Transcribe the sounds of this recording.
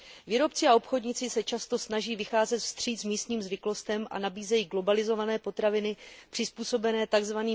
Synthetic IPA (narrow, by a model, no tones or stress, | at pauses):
viːɾo̞pt͡sɪao̞pxo̞dɲɪt͡sɪsɛt͡ʃast̪o̞snaʒiːvɪxaːzɛt̪fst̪r̝̥iːzmiːst̪ɲiːmzvɪklo̞st̪ɛmʔa̰nabiːzɛjiːɡlo̞balɪzo̞vanɛːpo̞t̪ɾavɪnɪpr̝̥ɪspuːso̞bɛnɛːt̪aɡzvaniː